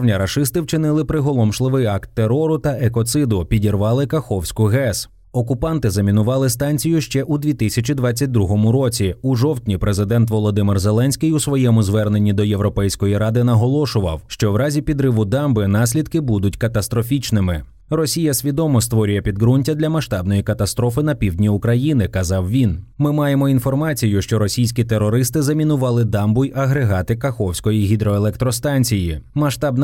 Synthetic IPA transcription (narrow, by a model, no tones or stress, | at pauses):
nʲɐɾɐʃɪst̪ɪwt͡ʃɪnɪlˠɪpɾɪɦɔlˠɔmʃlˠɪʋɪjɑkt̪ːeɾɔɾʊt̪ɐekɔt̪sɪd̪ʊpʲidʲirʋɑlˠɪkɐxɔwsʲkʊɦɛs | ɔkʊpɑnt̪ɪzɐmʲinʊʋɑlˠɪst̪ɑnʲt͡sʲijʊʃt͡ʃɛʔud̪ʲʋʲit̪ɪsʲɐt͡ʃid̪ʋɑt͡sʲːɐt̚ʲd̪ɾuɦɔmʊɾɔt͡sʲiuʒɔwt̪ʲnʲipɾezɪd̪ɛnt̪ʋɔlˠɔd̪ɪmɪrzelˠɛnʲsʲkɪjusʋɔjɛmʊzʋɛrne̞nʲːid̪ɔje̞ʋɾɔpɛjsʲkɔjiɾɑd̪ɪnɐɦɔlˠɔʃʊʋɐ̰wʃt͡ʃɔʋɾɑzʲipʲid̪ɾɪʋʊd̪ɑmbɪnɑsʲlʲid̪kɪbud̪ʊtʲkɐt̪ɐst̪ɾɔfʲit͡ʃnɪmɪ | rɔsʲijɐsʲʋʲid̪ɔmɔst̪ʋɔɾʲʊjɛpʲid̪ɡɾunʲtʲɐd̪lʲɐmɐʃt̪ɑbnɔjikɐt̪ɐst̪ɾɔfɪn̪ɐpʲiwdʲnʲiʊkɾɐjinɪkɐzɑwʋʲinmɪmɑjemɔin̪fɔrmɑt͡sʲijʊʃt͡ʃɔɾɔsʲijsʲkʲit̪eɾɔɾɪst̪ɪzɐmʲinʊʋɑlˠɪd̪ɑmbʊjɐɦɾeɦɑt̪ɪkɐxɔwsʲkɔjiɦʲid̪ɾɔelˠɛk̚t̪ɾɔst̪ɑnʲt͡sʲijimɐʃt̪ɑbn